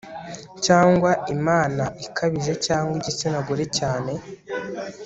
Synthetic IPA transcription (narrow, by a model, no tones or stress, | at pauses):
caːŋɡwaimaːnaʔikʰaβiʒe̞caːŋɡwiɟesenaɡuɾe̞caːne̞